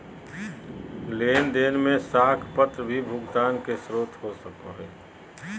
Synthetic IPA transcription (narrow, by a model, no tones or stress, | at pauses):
leːnd̪eːnmẽsaːkʰpət̪ɾəbʱibʱʊɡt̪aːnkesɾoːt̪ʰɦosəkoɦɛː